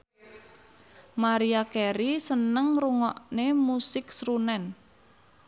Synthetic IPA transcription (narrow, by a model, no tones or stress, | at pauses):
maɾiakɛɾisənəŋruŋɔʔnemusɪksɾunɛn